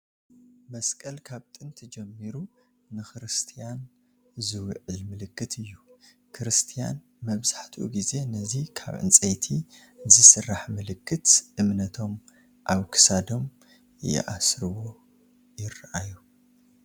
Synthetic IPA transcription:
mɐskʼɐlkʰaβt̪ʼɨnt̪ʰid͡ʒɛmːiɾu | nɨxɨɾɨst̪ʰijan | zɨwɨʕɨlmɨlɨkːɨt̪ʰɨjːu | kʰɾɨst̪ʰija̰n | mɐβzaħt̪ʰiʔṵɡize̞nɐzikʰa̰βʕʔɨ̰nt͡sʼɐjt̪ʰi | zɨsɨrːaħmɨlɨkːɨt̪ʔɨmnɐt̪ʰo̞m | ʔaβkʰɨ̥sad̪o̞m | jɪ̰ʔasɾɨβo̞ | jɪrʔaju

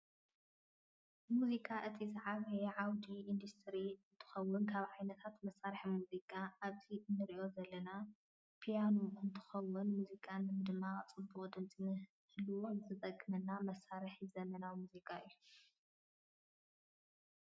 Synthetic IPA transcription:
muzikʼaʔɨt̪ʰizɨʕaβɐjɛʕawd̪iind̪ust̪ʰɾiɨnt̪ʰɨ̥xɐwːʊnkʰaβʕajnɐt̪ʰat̪mɐsaɾħimuzikʼaʔaβziɨnːɨɾiʔo̞zɐlːɐna | pʰijanuɨnt̪ʰɨ̥xɐwːʊnmuzikʼanːɨmɨd̪ɨmːat͡sʼɨbuχʼd̪ɨmt͡sʼɨnɨ | hɨlɨwo̞zɨt̪ʼɐkʼːɨmɐnːamɐsaɾɨħizɐmɐnawmuzikʼaɨjːu

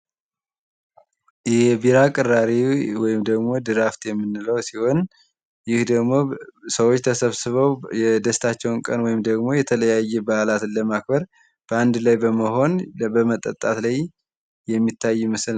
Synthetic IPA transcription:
jɛbiɾakʼɨrːaɾiwɔjɪmd̪əɡmo̞d̪ɨɾaft̪jɛmːɨnːɨləwsiho̞n | jɪhd̪əɡmo̞səwot͡ʃːt̪ʰəsəβsɨβəwɛd̪əst̪ʰat͡ʃːɛwnkʼənwɔjɪmd̪əɡmo̞jɛt̪ʰələjajːɛbaalat̪lːəmak̚bəɾ | b̥əand̪lajbəməɦo̞nbəmət̪ʼːət̪ʼːat̪laj | jɛmːit̪ʰːajːmɨsl

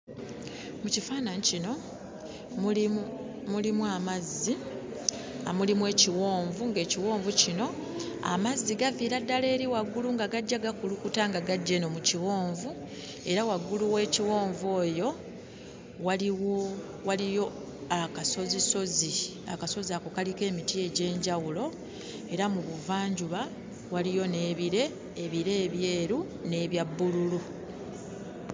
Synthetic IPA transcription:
mucifaːnanicino̞ | mulimwamazːi | amulimwe̞ːciwo̞ːɱvuŋɡe̞ːciwo̞ːɱvucino̞ | a̰mazːiɡaviːɾadːale̞ːɾiwaɡuluŋɡaɡaɟːaɡakulukutaŋɡaɡaɟːeno̞muciwo̞ːɱvu | e̞ɾawaɡːuluwe̞ːciwo̞ːɱvoːjo̞ | waliwo | walijo̞ | akaso̞ziso̞zi | a̰kaso̞ziako̞kalike̞ːmitie̞ɟe̞ːɲɟawulo̞ | e̞ɾamuβuvaːɲɟuβa | walijo̞ne̞ːβiɾe̞ː | βiɾe̞ːβje̞ːɾu | ne̞ːβjabːululu

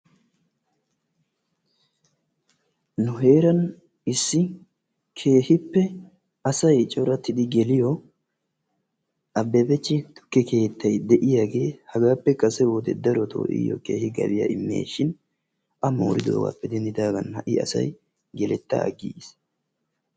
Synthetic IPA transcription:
nʊɦe̞ːɾɐn | ɪsːɪ | kʰe̞ːhɪpːɛ | ɐsɐjt͡ʃʼɔɾɐt̪ːɪd̪ɪɡɛlɪjɔ | ʔɐbːɛbɛt͡ʃːɪt̪ʊ̥kːɛke̞ːt̪ːɐjd̪ɛʔɪjaːɡe̞ːhɐɡaːpːɛkʼɐsɛwoːd̪ɛ̰d̪ɐɾɔt̪ʰo̰ːʔɪ̰jɔ̰ke̞̰ːhɪɡɐ̰bɪja̰ʔɪmːe̞̰ːʃɪn | ʔɐmo̰ːɾɪd̪o̞̰ːɡa̰ːpːɛd̪ɛnd̪ɪd̪aːɡɐnhɐʔɪɐ̰sɐ̰j | ɡɛlɛt̪ːɐ̰ɐɡis

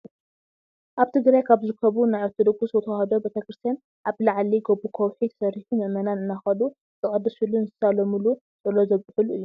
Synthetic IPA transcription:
ʔaβt̪ʰɨɡɾajkʰaβzɨɾɨkʰːɐβunajat̪ʰɨd̪ɨɡʼuswɔt̪ʰɐhɐd̪obet̪ʰɐkɾɨst̪ʰijan | ʔaβlaʕliɡobːukʰowħit̪ʰɐ̥sɐriħumɨʔmɐnanɨnːaxɐlu | zʼɨkʼɐd̪ɐsulunzɨ̥salɐmɨlu | zʼɐlːozɐβkʼɨfɨlʔɨ̰jːo

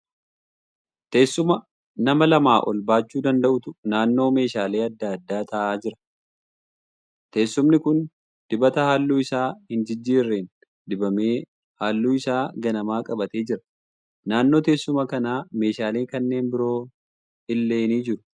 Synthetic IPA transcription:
t̪e̞ːsːʊmɐ | nɐmɐlɐmaːʔɔ̰lbaːt͡ʃːuːd̪ɐnd̪ɐʔʊt̪ʊ̥naːnːo̞ːme̞ːʃaːleːɐd̪ːaːd̪ːaːt̪ɐʔaːd͡ʒɪɾɐ̥ | t̪e̞ːsːʊmnɪkʊn | d̪̥ɪbɐt̪ɐhaːlːuːɪsaːhɪnd͡ʒɪd͡ʒːiːɾːeːn | d̪ɪbɐmeː | haːlːuːɪsaːɡɐnɐmaːkʼɐbɐt̪e̞ːd͡ʒɪɾɐ̥ | naːnːo̞ːt̪e̞ːsːʊmɐkɐnaːme̞ːʃaːleːkɐnːe̞ːnbɪɾo̞ː | ɪlːe̞ːniːd͡ʒɪɾʊ̥

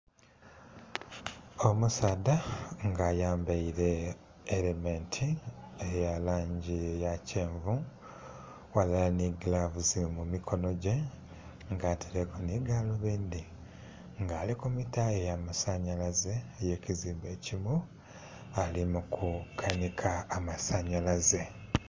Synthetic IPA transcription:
o̞musaːdaŋɡaːjaːmbaiɾe̞ː | lementʰiejalaːɲɟijaceːɱvu | walalaniɡlavuzimumikʰo̞no̞ɟe̞ | ŋɡaːtʰiɾekuniɡaloβeːnd̪i | ŋɡaːlikumitaejaːmasaɲalaze̞ːjeːciziːmbe̞ːcimu | alimukʰukʰanikʰaːmasaɲalaze̞

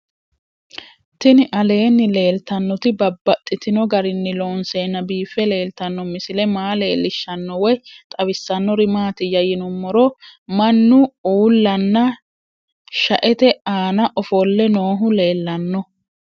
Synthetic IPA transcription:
t̪ɪnɪʔɐle̞ːnːɪle̞ːlt̪ɐnːɔt̪ɪbɐbːɐt̪ʼːɪt̪ɪnɔɡɐɾɪnːɪloːnseːnːɐbiːfɛle̞ːlt̪ɐnːɔmɪsɪlɛmaːle̞ːlːɪʃːɐnːɔwɔjt̪ʼɐwɪsːɐnːɔɾɪmaːt̪ɪjɐjɪnʊmːɔɾɔmɐnːʊuːlːɐnːɐ | ʃɐʔɛt̪ɛaːnɐʔɔfɔlːɛnoːɦʊle̞ːlːɐnːɔ

